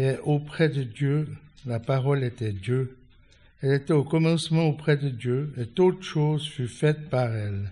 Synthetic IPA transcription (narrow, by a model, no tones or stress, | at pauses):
eʔopχɛd̪əd̪jølapaʁɔlet̪ɛd̪jø | ɛlet̪ɛokɔmɑ̃smɑ̃opχɛd̪əd̪jøet̪ot̪əʃozfyʁfɛt̪paʁɛl